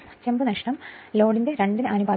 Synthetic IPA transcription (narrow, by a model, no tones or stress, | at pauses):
t͡ɕembɨnɐkʂɳɐmlo̞ːɽindeɾeɳɖinɨʔɐnubʱaː